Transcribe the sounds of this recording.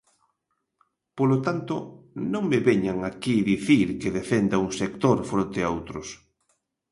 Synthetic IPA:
polot̪ant̪onõŋmɪβeɲaŋakiðiθiɾkeðefend̪auŋsek̚t̪oɾfɾont̪eaowt̪ɾʊs

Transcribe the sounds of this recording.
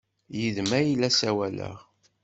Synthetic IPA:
jəðmæjlæsæwælə̰ʁ

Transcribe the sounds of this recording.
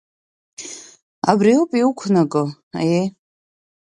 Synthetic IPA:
a̰briopʼiukʷʰnaɡʼɨ | a̰je

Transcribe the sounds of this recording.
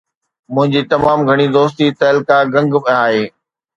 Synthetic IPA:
mʊ̃ɦɪ̃ɲd͡ʑit̪ɐmaːmɡʱɐɽ̃id̪oːst̪it̪ɐːlɪkaɡɐ̃ŋɡmaːɦeː

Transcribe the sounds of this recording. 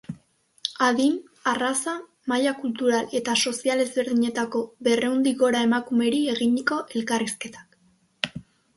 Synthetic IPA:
aðim | arasa | maʎakult̪uɾale̞t̪aso̞siale̞zβe̞ɾðiɲe̞t̪ako̞βe̞re̞und̪iɣo̞ɾae̞makume̞ɾie̞ɣiɲiko̞ʔe̞lkariske̞t̪ḁk

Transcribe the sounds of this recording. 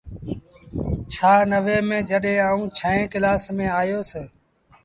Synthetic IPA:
t͡ʃʰaːnəʋeːmẽːd͡ʒəɗẽːaːũːt͡ʃʰəẽːkɪlaːsmẽːaːjoːseː

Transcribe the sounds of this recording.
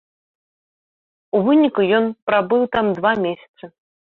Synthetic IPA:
uvɨnʲikujɔnpɾabɨwt̪amd̪vamʲesʲɐ̥t̪sɨ

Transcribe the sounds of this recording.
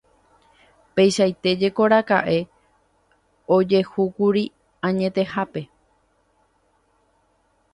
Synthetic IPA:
pe̞jʃajt̪e̞d͡ʒe̞ko̞ɾaka̰ʔe̞ | o̞d͡ʒe̞hukuɾi | ãɲẽ̞t̪e̞hape̞

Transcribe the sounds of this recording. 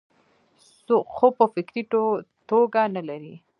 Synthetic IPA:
soxopəfɪkɾit̪oɡanalaɾi

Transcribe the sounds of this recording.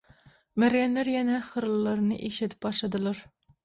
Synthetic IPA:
mæɾjɛnlæɾjɛnɛχəɾllːˠɨɾnɨʔeʃɪt̪ʰɪ̥p̚bɑʃlˠɨd̪ɨlˠɑɾ

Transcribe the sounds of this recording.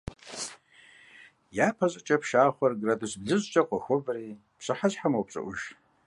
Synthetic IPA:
jaːpʰɐɕʼɨt͡ʃʼɐpʰʃaːχʷɐrɡradusbɮɨʑʷt͡ʃʼɐqʷʼɔxʷɔbɐriː | pʰɕɨħazħamowpt͡ʃʷʼɐ̰ʔʷʊʒ

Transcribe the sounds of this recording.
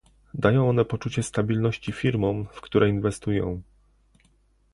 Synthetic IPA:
d̪ajɔ̃w̃ɔnɛpɔt͡ʂut͡ɕɛst̪abʲilnɔɕt͡ɕifʲiɾmɔ̃w̃fkt̪uɾʔɛinvɛst̪ujɔ̰̃w̃

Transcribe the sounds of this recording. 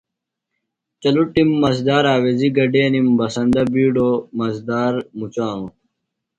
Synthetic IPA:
t͡ɕɐluʈimːɐs̬d̪aːɾaːweziɡɐɖeːnimbɐsɐnd̪ɐbiːɖomɐzd̪aːɾmut͡ɕaːnũ

